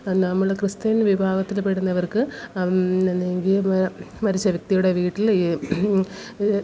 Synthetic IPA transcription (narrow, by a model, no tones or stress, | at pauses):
nɐmːɐɭkrɨst̪ɐnʋibʱaːɡɐt̪ːilpeɽunːɐʋɐrkɨ | enːeŋɡilmɐɾit͡ɕːɐʋɐk̚t̪ijuɽeʋiːʈːili